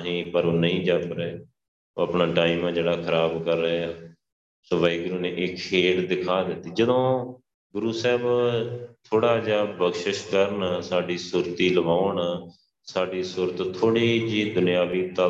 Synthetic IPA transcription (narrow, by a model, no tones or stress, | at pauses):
ɦĩːpəɾoːnəɦĩːd͡ʒaːt̪ɾeː | oːəpnãːʈaːiːmãːd͡ʒeːɽaːkʰəɾaːbkəɾːəaː | səʋaːiːɡʊɾuːneːʔɪkkʰeːld̪ɪkʰaːd̪ɪt̪ːiːd͡ʒəd̪õː | ɡʊɾuːsɛːb | t̪ʰoːɽaːd͡ʒaːbəɡʃəʃkəɾnsaːɖiːsʊɾt̪iːləbaːɳ | saːɖiːsʊɾt̪t̪ʰoːɽiːd͡ʒiːd̪ʊnɪjaːʋiːt̪aː